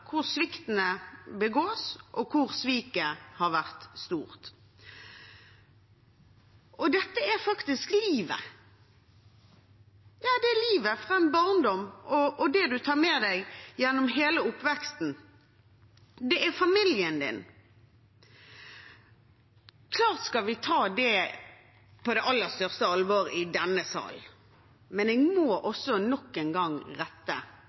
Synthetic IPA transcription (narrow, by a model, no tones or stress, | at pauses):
kʰʊʁsʋɪkt̪ənəbəɡoːsʔɔkʰʊʁsʋiːkəhɑɾʋæʁt̪st̪uːʁt̪ | ʔɔd̪ɛt̪ːəæɾfɑkt̪ɪskliːʋə̰ | jɑːd̪ɛæliːʋəfʁɑɛnbɑʁnd̪ɔmɔɔd̪ɛd̪ʉt̪ʰɑːɾmɛːd̪æɪjɛnːɔmɦeːləʊpːʋɛkst̪n̩ | d̪ɛʔæɾfɑmɪljənd̪ɪ̰n | kʰlɑːʁt̪skɑlʋɪt̪ʰɑːd̪ɛ | pʰɔd̪ɛʔɑlːəst̪œʁst̪əɑlʋoːɾɪd̪ɛnːəsɑ̰ːl | mɛnɛːɡmoːʔɔsːɔnɔkːɛnɡɑŋʁɛt̪ːə̰